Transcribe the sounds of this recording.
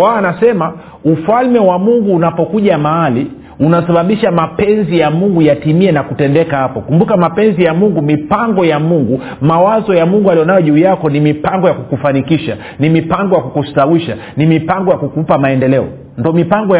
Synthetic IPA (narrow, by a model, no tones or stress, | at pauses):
waːnasɛma | ufalmɛwamuŋɡuːnapɔkuʄamaali | unasaɓaɓiʃamapɛnzijamuŋɡujatimiɛnakutɛndɛkahapɔkumbukamapɛnzijamuŋɡumipaŋɡɔjamuŋɡu | mawazɔjamuŋɡualijɔnajɔʄuːjakɔnimipaŋɡɔjakukufanikiʃa | nimipaŋɡɔjakukustawiʃa | nimipaŋɡɔjakukupamaɛndɛlɛɔ | ndɔmipaŋɡɔ